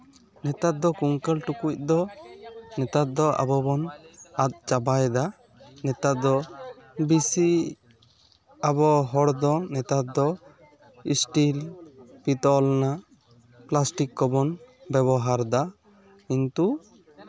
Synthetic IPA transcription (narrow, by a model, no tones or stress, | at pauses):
nɛt̪at̪̚d̪ɔkuŋkəlʈukuc̚d̪ɔ | nɛt̪at̪̚d̪ɔʔa̰bɔbɔnat̪̚t͡ʃabajd̪a | nɛt̪at̪̚d̪ɔbisi | abɔɦɔɽd̪ɔnɛt̪at̪̚d̪ɔ | isʈilpit̪ɔlna | plasʈikːɔbɔnbɛβɔɦaɾd̪a | kint̪u